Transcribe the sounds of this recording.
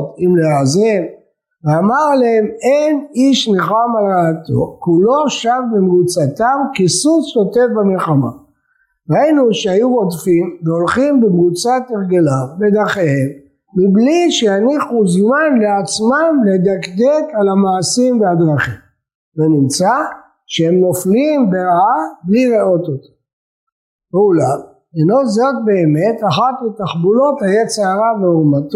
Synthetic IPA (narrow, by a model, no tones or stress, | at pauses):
t̪imleazem | veamaʁlahe̞me̞niʃneχamalʁaːt̪o̞̰kulo̞ʃavbemʁut͡sat̪amkisusjo̞t̪e̞vbamelχama̰ | ʁajinuʃehajuʁo̞dfimveolχimbemʁut͡sateʁɡelavbed̪aχehemː | ibliʃejaniχuzmanleat͡smamled̪akd̪e̞kalamaːsimvead̪ʁaχim | venimt͡sa | ʃeemno̞flimbeʁaabliʁeo̞t̪ot̪ḁ | eulam | enozot̚be̞ːme̞taχat̪mit̪aχbulo̞t̪hajet͡seaʁaveumat̪